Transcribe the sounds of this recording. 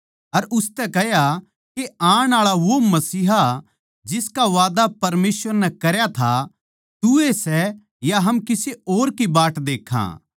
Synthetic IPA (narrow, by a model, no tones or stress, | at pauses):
ɐɾʊst̪ɛkɛɦja | keãːɽ̃aːɭaʋomɐsiːɦa | d͡ʒɪskaʋaːd̪apɐɾmeːsʋəɾnɛkɐɾjat̪ʰa | t̪ʊesɛ | jaɦɐmkɪseoːɾkibaːʈd̪eːkʰã̰